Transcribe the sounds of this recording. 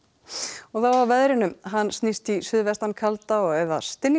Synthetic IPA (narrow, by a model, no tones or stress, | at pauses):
ɔɣθawawvɛðɾɪnʏmɦanːsnist̪isʏðvɛst̪ankʰalt̪aɔɣɛða̰st̪ɪnː